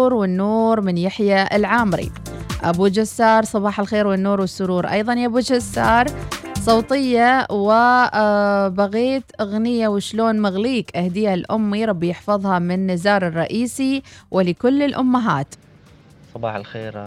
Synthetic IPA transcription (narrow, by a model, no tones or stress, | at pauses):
ɾwɪnːuːɾmɪnjaħjaɪ̰lʕaːmɾḭ | ʔa̰bud͡ʒasːɑːɾˤsˤɑbɑːħalxeːɾwɪnːuːɾwɪsːʊɾuːɾˤʔɑ̰jðˤɑnjabud͡ʒasːɑːɾˤsˤoːt̪ˤɪjːawɪ | baɣiːt̪ɣnɪjːawɪʃloːnmɪɣliːkʔahd̪iːhalʔʊmːiɾˤɑbːjɪħfɑðˤhɑmɪnːɪzɑːɾˤɨrˤːɑʔiːsiwʔɪlɪkʊlːɪlʔʊmːaɦa̰ːt̪ | sˤɑbɑ̰ːħalxḛːɾ